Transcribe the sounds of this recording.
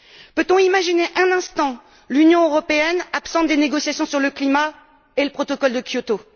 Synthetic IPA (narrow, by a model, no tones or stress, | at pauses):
pøt̪ɔ̃imaʒineʔɛ̃nɛ̃st̪ɑ̃ | lynjɔ̃øʁɔpeɛnapsɑ̃t̪̚d̪eneɡɔsjasjɔ̃syʁləklima | eləpχɔt̪ɔkɔld̪əkjot̪o